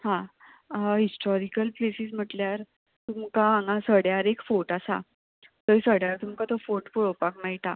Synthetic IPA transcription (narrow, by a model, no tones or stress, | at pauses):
hã | ɦisʈɔɾikəlplesiːsm̤əʈljaɾ | t̪umkãːŋɡasəɽjaɾekfoʈasa̰ | t̪əisəɽjaɾt̪umkat̪əfoʈpuɭopakmaɦit̪a